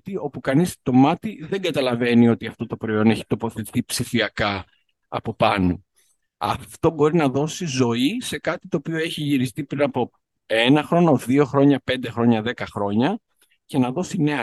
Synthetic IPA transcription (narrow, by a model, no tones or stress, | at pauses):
t̪io̞pukɐnist̪o̞mɐt̪iðeŋɡɐt̪ɐlɐve̞nio̞t̪iɐft̪o̞t̪o̞pɾo̞io̞ne̞çi̥t̪o̞po̞θeθipsifiɐkɐ | ɐ̰po̞pɐno | ɐ̰ft̪o̞bo̞ɾinɐðo̞sizo̞ise̞kɐt̪i̥t̪o̞ːpio̞e̞çiʝiɾist̪ipɾinɐpo̞ | enɐxɾo̞no̞ðio̞xɾo̞ɲɐpe̞nd̪exɾo̞ɲɐðe̞kɐxɾo̞ɲɐ | ce̞nɐðo̞sine̞ɐ